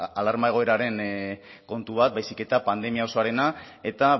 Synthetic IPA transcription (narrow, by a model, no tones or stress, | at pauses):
alaɾmae̞ɣ̞o̞e̞ɾaɾe̞n | ko̞nt̪uβ̞at̪̚bajsike̞t̪apand̪e̞miaoso̞aɾe̞na | e̞t̪a